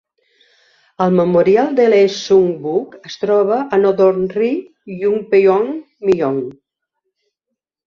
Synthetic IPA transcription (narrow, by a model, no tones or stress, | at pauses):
əlˠməmuɾialˠd̪elesuŋbukəst̪ɾɔβ̞əʔːnoðɔɾnri | juŋpejɔŋ | miɔŋ